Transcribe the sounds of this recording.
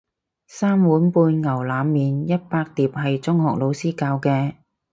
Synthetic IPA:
saː˥mwuː˨˥npuː˧nŋɐ˨˩wlaː˨˧mːiː˨njɐ˥t̚paː˧k̚t̪iː˨p̚ɦɐ˨jt͡sʊ˥ŋɦɔː˨˩k̚lo˨˧wsiː˥kaː˧wkɛː˧

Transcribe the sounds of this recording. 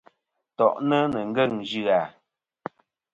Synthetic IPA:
tɔ˨ʔnə˦nə˨ŋ̩˦ɡə˦˨ŋd͡ʒʉ˦a˨

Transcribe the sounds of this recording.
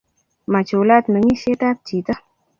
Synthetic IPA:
ma˨t͡ʃo˨wla˦t̪nə˧ŋi˦se˦t̪aː˦t̪̚t͡ʃi˨t̪ə˦

